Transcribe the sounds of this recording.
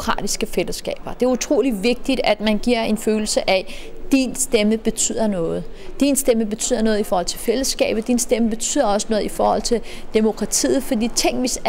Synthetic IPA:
kʰʁɑ̰̈ːd̥isɡ̥əfeləsɡ̥ɛ̰ːb̥ɐd̥e̝æɐut͡sʰʁo̝̰ːliʋe̝ɡ̥̚d̥id̥æd̥mænɡ̥iɐ̰e̝nføːl̩səʔæ | d̥insd̥eməb̥e̝t͡sʰy̰ːð̞̰ˠɐnɔ̽ːð̞̩ˠd̥insd̥eməb̥e̝t͡sʰy̰ð̰ˠɐnɔ̽ːð̞̩ˠifɒːhɒ̽l̰t͡sʰe̝lfel̰əsɡ̥ɛ̰ːb̥̩ˠd̥insd̥eməb̥e̝t͡sʰy̰ːðˠɐɒ̽sənɔ̽ːðˠifɒːhɒ̽l̰t͡sʰe̝ld̥e̝mo̝kʰʁɑ̈t͡sʰḭːð̞̩ˠfɒ̽d̥ḭːt͡sʰe̝ŋ̰ʋis

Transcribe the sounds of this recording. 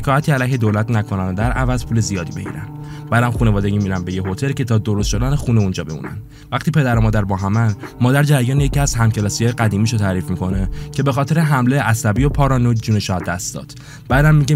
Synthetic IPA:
ekʰɒːjæt̪ʰiːælæjɦe̞d̪olæt̪nækʰo̞nænd̪æɾʔævæzpʰuːle̞zijɒːd̪iːbe̞ɟḭːɾæ̰n | b̥æːd̪æmxune̞vɒːd̪eɟiːmiɾænbe̞jeɦo̞t̪ʰe̞lcʰe̞t̪ʰɒːd̪o̞ɾost̪ʃo̞d̪ænexuneund͡ʒɒːbe̞̰mṵːnæ̰n | væxt̪ʰiːpʰe̞d̪æɾomɒːd̪æɾbɒːɦæmænmɒːd̪æɾd͡ʒæɾjɒːnjeciæzhæmcʰe̞lɒːsijɒjeɡæd̪iːmiːʃot̪ʰæːɾiːfmiko̞necʰe̞bexɒːt̪ʰe̞ɾeɦæmleʔæsæbiopʰɒːɾɒːnod͡ʒuːneʃɒːæd̪ːæst̪d̪̥ɒ̰ːd̪̥ | bæd̪æmːiɟe

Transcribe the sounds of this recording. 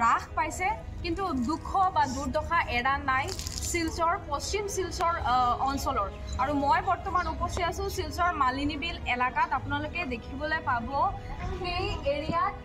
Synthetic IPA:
ɹaxpajsɛ | kintudukʰːɔbaduɹdɔxaʔɛɹanːajsilsɔɹpost͡ʃimsilsɔɹɔnsɔlɔɹ | aɹumojbɔɹtɔmanupɔsijasʊ̃silsɔɹmalinibilɛlakatapʊnalʊkɛdekʰibɔlojpabɔxejeɹija

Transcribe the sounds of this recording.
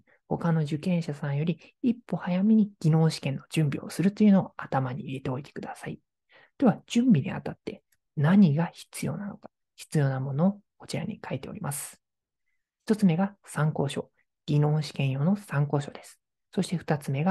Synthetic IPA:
ho̞̰kano̞ʑɨkẽ̞ɰ̃ɕasãɰ̃jo̞ɾʲi | ipːo̞hajamʲiɲ̟iɡ̥ʲinõ̞ːɕi̥kẽ̞nːo̞d͡ʑɨ̃mbʲio̞̰sɨɾɯ̟t̪ːo̞iɯ̟nooat̪amaɲ̟iːɾet̪e̞o̞it̪ekɯ̟d̪asai | t̪e̞βaʑ̥ɨ̃mbʲiɲ̟ḭa̰t̪at̪ːe̞ | naɲ̟iɡaçi̥t͡sɨjo̞̰ːnano̞kḁ | çi̥t͡sɨjo̞ːnamo̞no̞ːko̞̥t͡ɕiɾa̰ɲ̟ḭkʰaet̪e̞o̞̰ɾʲimʔasɨ̥ | çi̥t̪o̞t͡sɨme̞ɡasãŋko̞ːɕo̞̰ | ɡ̥ʲinõ̞ːɕi̥kẽ̞ɰ̃jo̞no̞sãŋko̞ːɕo̞d̪e̞sɨ̥ | so̞ɕi̥t̪e̞ɸɯ̟̥t̪at͡sɨme̞ɡa

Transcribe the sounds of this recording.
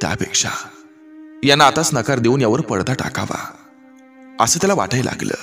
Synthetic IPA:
t̪ja̰pekʂa | janːaːt̪at͡snəkaɾd̪euːnjaʋəɾpəɽt̪aʈa̰kaʋa̰ | əsəːt̪jalaʋa̰ʈajla̰ɡlə̰ː

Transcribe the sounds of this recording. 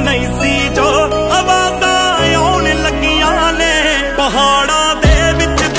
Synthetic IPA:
nəisiːd͡ʒoː | əʋaːd̪aːeaːneləɡijãːneː | pəɦaːɽaːd̪eːʋɪt͡ʃ

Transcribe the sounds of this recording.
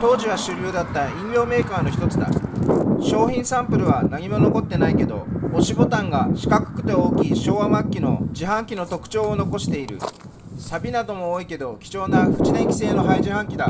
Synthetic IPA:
t̪o̞ːʑiβ̞aɕɨːɾʲjoːd̪at̪ːaĩŋɡʲo̞ːme̞ːkaːno̞çi̥t̪o̞t͡sɨd̪a̰ɕo̞ːçĩɰ̃sãmpɯ̟ɾɯ̟βanaɲ̟imo̞no̞ko̞t̪ːe̞naike̞d̪o̞̰oɕibo̞t̪ãŋɡaɕi̥kakɯ̟̥kɯ̟̥t̪e̞oːkʲiɕo̞ːamakʲːino̞d͡ʑiɦãŋkʲino̞t̪o̞kɯ̟̥t͡ɕo̞ːono̞ko̞ɕi̥t̪e̞iɾɯ̟̰ | sabʲinad̪o̞mo̞ːike̞d̪o̞kʲi̥t͡ɕo̞ːnaɸɯ̟̥t͡ɕid̪ẽ̞ŋkʲi̥se̞ːno̞ɦaiʑiɦãŋkʲid̪a

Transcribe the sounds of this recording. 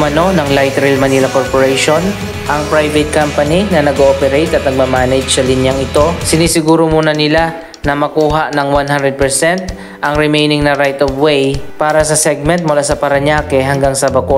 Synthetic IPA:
mɐno̞nɐŋlajt̪ɾɪlmɐnilɐkoɹpoɹɛjʃo̞n | ʔɐŋpɹajvɛt̪̚kampɐninɐnɐɡʔoːpɛɾejt̪ʔɐt̪nɐɡ̚mamaːnɛd͡ʒsɐlɪnjɐŋɪt̪o̞sɪniːsɪɡuːɾomuːnɐnɪla | nɐmɐkuːɦaʔnɐŋwanɦand̪ɾɛd̪̚pɛɹsɛnt̪ | ʔɐŋɾɪmejnɪŋnɐɾajt̪ovwejpaːɾɐsɐsɛɡ̚mɛnt̪̚mʊlaːsɐpɐɾɐɲaːkɛɦɐŋɡaŋsɐbɐko

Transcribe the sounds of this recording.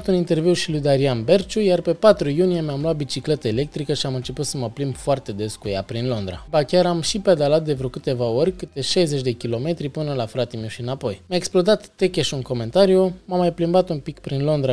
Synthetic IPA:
t̪unint̪e̞rviwʃilujd̪aɾianbe̞rt͡ʃujarpe̞pat̪ɾujunije̞meamloat̪̚bit͡ʃikle̞t̪əele̞k̚t̪ɾikəʃiamɨnt͡ʃe̞put̪səməplimbfoart̪e̞d̪e̞skujapɾinlo̞nd̪ɾa̰bakʲaɾamʃiped̪alat̪̚d̪e̞vɾokɨt̪e̞vao̞rʲkɨt̪e̞ʃajzet͡ʃʲd̪e̞kʲilo̞me̞t̪ɾipɨnəlafɾat̪imiwʃiɨnapo̞jmjaeksplo̞d̪at̪ːe̞kʲeʃunko̞me̞nt̪aɾijumamːajplimbat̪umpikpɾinlo̞nd̪ɾa

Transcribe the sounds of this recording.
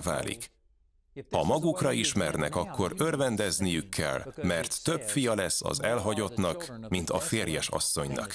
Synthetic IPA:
va̰ːlʔḭk | hɒmɒɡukrɒiʃmɛrnɛ̰kɒkːo̞ɾø̞rvɛnd̪ɛznijykʰːɛ̰lmɛrt̪ːø̞pfijɒlɛsːɒ̰zɛlɦɒɟo̞t̪nɒk | mint̪ɒfeːrjɛʃɒ̰sːo̞ɲnɒ̰k

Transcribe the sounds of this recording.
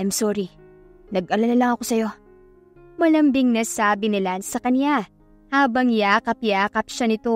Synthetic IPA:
jmsoːɾi | nɐɡʔɐlanɐlɐŋɐko̞sɐjo̞ | mɐlɐmbɪŋnasaːbɪnɪlansɐkɐnja | haːbɐŋjaːkɐp̚jaːkɐp̚ʃanɪt̪o̞

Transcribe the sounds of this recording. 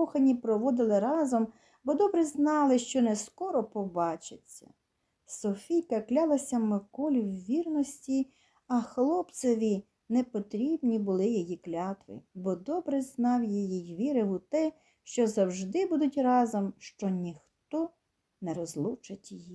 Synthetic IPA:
ɔxɐnʲipɾɔʋɔd̪ɪlˠɪɾɑzɔm | bɔd̪ɔbɾɛznɑlˠɪʃt͡ʃɔnɛskɔɾɔpɔbɑt͡ʃɪt͡sʲːɐ̰ | sɔfʲijkɐklʲɑlˠɐsʲɐmɪkɔlʲiwʋʲirnɔsʲtʲi | ɐxlˠɔpt̪sɔʋʲi | nɛpɔt̪ɾʲibnʲibʊlˠɪjɔjiklʲɑt̪ʋɪ̰bɔd̪ɔbɾɛznɑwjijijʋʲiɾɪʋʊt̪ɛ | ʃt͡ʃɔzɐwʒd̪ɪbud̪ʊtʲrɑzɔmʃt͡ʃɔnʲixt̪ɔ | nɛɾɔzlˠut͡ʃɐtʲjiji

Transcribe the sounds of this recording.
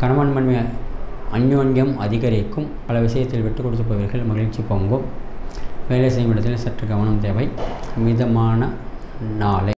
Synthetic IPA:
kɐɳɐmɐnmɐɳmɐ | ɐɲjoːɲjɐmɐðɪɣɐɾɪkːɯm | pɐlɐʋɪsɐjɐt̪ːɪlʋɪʈːɯkɔɽɯt̪̬ːɯpːɐːʋɐɾɣɐɭmɐɣɪɻt͡ʃːipoːŋɡɯm | ʋeːlɐɪs̬ɛjɐmɪɽɐt̪ːɪlsɐʈrɯɡɐʋɐɳɐmt̪eːʋɐɪ | mɪðɐmaːnɐ | naːlɐɪ

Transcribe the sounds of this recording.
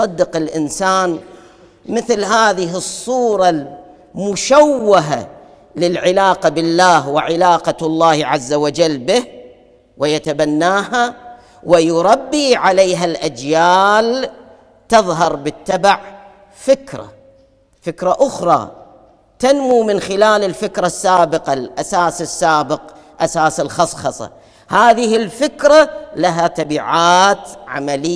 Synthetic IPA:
sˤɑd̪ːɪqɪlʔɪnsaːn | mɪθlɦaːðɪɦɪsˤːuːɾˤɑl | mʊʃawːaɦa̰ | lɪlʕɪlaːqabɪlːaːhwɪʕɪlaːqɑlˤːɑːhʕazːawad͡ʒalːbɪh | wɪjat̪abanːaːɦa | wɪjʊɾˤɑbːiʕaleːɦalʔad͡ʒjaːl | t̪ɨðˤɦɑɾˤbɪt̪ːabaʕ | fɪkɾa̰ | fɪkɾaʔʊxɾˤɑ̰ː | t̪anmumɪnxɪlaːlɪlfɪkɾasːaːbɪqalʔasaːsɪsːaːbɪq | ʔasaːsɪlxɑsˤxɑsˤɑ̰ | haːðɪhɪlfɪkɾalaɦat̪ˤɑbiːʕaːt̪ʕa̰malɪ

